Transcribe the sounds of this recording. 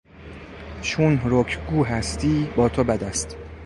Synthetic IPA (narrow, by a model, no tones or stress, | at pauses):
ʃunhɾokʰɡuːɦæst̪ʰiːbɒːt̪ʰobæd̪æst̪